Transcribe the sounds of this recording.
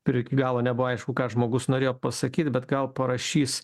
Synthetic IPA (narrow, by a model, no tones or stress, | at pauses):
pʲɪɾʲkʲiɡɑːlˠoːnʲɛbʊʋoɐɪʃkʊkɑːʒmoːɡʊsnoːɾʲeːjoːpɐsɐkʲiːt̪ʲbʲɛt̪ɡɐlˠpɐɾɐʃʲiːs